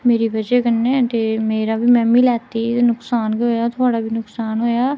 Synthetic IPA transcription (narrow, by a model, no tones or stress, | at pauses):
meːɾiːbəd͡ʒeːkənːɛ̃ːt̪eːmeːɾaːbiːmɛ̃ːmiːlɛːt̪iːnʊksaːnkiɦoːjaːt̪ʰʊaːɽaːbiːnʊksaːnɦoːjaː